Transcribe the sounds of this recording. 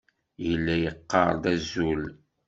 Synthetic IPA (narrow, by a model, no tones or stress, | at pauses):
jəlːæjəqːɑɾˤðæzul